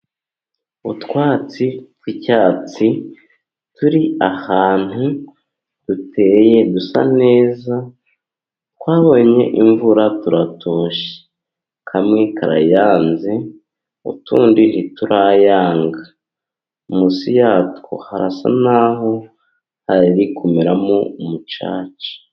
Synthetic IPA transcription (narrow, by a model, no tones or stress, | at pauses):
utwaːt͡sitwicaːt͡si | tuɾiahaːn̥hu | d̥utʰe̞ːje̞dusa̰ne̞ːza | tkwaːβo̞ɲe̞̰ʔiɱvuɾatuɾatʰoːʃe̥ | kʰamŋekaɾa̰jaːnze | ṵtṵːndiɾituɾajaːŋɡa | musijaːtko̰haɾasa̰naːɦo̞ | haɾiɾikʰumiɾamoumut͡ʃa̰ːt͡ʃi̥